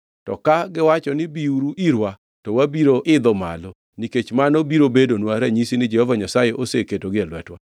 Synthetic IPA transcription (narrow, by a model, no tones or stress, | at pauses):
tɔ̰kaɡɪwat͡ʃɔnɪbiuɾuʔiɾwa | tɔwabiɾoʔɪd̪ɔma̰lɔ | niket͡ʃmanɔbiɾobedonwaɾɛɲisinɪd͡ʒɛhɔvaɲasajeʔoseketoɡɪɛlwɛtwa